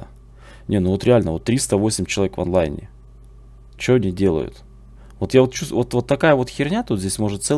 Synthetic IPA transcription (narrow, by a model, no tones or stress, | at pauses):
nʲenuvot̪ɾʲɪalʲnəvo̞t̪ːɾʲist̪əvo̞sʲɪmʲt͡ɕɪlˠɐvʲekvɐ̰nlˠajnʲɪ̰ | t͡ɕoɐnʲidʲe̞lˠə̰jʊ̰t̪ | vot̪javot̪̚t͡ɕust̪vot̪vo̞t̪ːɐkajəvo̞t̪xʲɪrnʲat̪ut̪zʲdʲesʲmo̞ʐɨt̪t̪sɛ